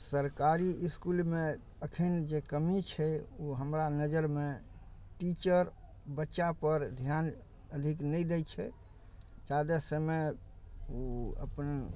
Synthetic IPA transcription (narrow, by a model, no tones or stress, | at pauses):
səɾkaɾiiskulme | əkʰənd͡ʒekəmit͡ʃʰɛuɦəmɾanəd͡ʒəɾmeʈit͡ʃəɾ | bətːʃapəɾd̪ʱjan | əd̪ʱiknəjd̪ɛjt͡ʃʰɛ | t͡ʃad̪esəme | oə̰pən